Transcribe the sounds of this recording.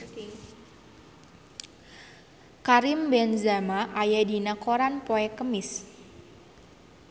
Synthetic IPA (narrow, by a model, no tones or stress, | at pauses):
ŋ | kaɾimbɛnzamaʔajadinakoɾanpoɛkəmɪs